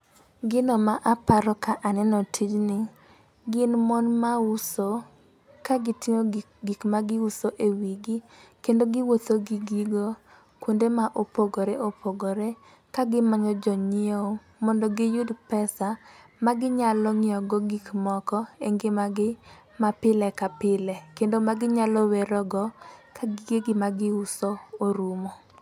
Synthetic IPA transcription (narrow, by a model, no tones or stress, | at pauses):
ɡɪnɔmaʔapaɾɔkaʔanɛnɔtʰid͡ʒnɪ | ɡɪnmonmauso | kaɡɪtɪŋo | ɡikmaɡɪusoʔewiɡi | kendoɡɪwot̪oɡiɡiɡo | kwondemaʔopoɡoɾeʔopʰoɡoɾe | kaɡɪmaɲɔd͡ʒɔɲɪoo | mɔndɔɡɪjudpɛsa | maɡɪɲalɔŋɪɔɡɔɡikmɔkɔeŋɡɪmaɡɪ | mapɪlɛkapɪlɛkendomaɡɪɲalɔwɛɾɔɡɔkʰaɡiɡeɡɪmaɡɪusooɾumo